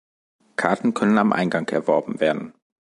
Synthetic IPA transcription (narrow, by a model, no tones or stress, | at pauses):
kʰaɐtn̩kʰœnənamʔa̰ɪnɡaŋkɛ̰ɐvɔɐbm̩veːɐdn̩